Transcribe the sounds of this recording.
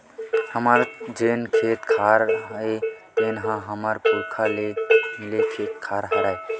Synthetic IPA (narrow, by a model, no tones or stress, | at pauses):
həmaɾd͡ʒenkʰet̪kʰaɾɦet̪enɦãɦəməɾpuɾkʰalemilekʰet̪̚kʰaɾɦəɾae